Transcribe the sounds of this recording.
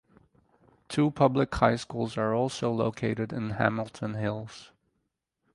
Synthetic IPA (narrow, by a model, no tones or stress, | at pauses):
tʰupʰʌblɨkhaɪskulˠzə˞ɔlˠsoʊloʊkʰeɪɾɨɾɪ̰̃nhæ̰ml̩ˠtʰə̃nɦɪlˠz̥